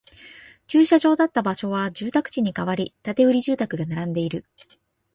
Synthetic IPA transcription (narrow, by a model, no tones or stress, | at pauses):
t͡ɕɨːɕaʑo̞ːd̪at̪ːabaɕo̞β̞aʑɨːt̪akɯ̟̥t͡ɕiɲ̟ikaβaɾʲit̪at̪e̞ɯ̟ɾʲiʑɨːt̪akɯ̟ɡanaɾãnd̪e̞iɾɯ̟